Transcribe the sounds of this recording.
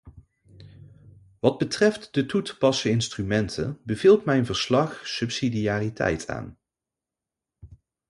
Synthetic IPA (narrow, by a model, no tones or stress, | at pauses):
ʋɑd̚bətrɛftdətutpɑsəɪnstrymɛntʰə̰nbəv̥iːlˠtmɛjnvəɹslɑχsɵpsidijaːritɛ̰jtʰa̰ːn